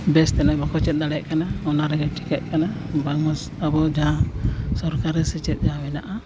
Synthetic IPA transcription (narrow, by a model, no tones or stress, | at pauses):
bɛst̪ɛnabɔkɔt͡ʃɛt̪̚d̪aɽɛʔkanaɔnaɾɛɡɛʈʰi̥kɛʔkanabaŋɔs | abɔd͡ʒasɔɾkaɾɛsɛt͡ʃɛt̪̚ˀd͡ʒawɛnaʔa